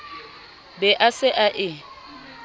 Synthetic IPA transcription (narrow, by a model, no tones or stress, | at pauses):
bɛʔasɪʔaʔɪ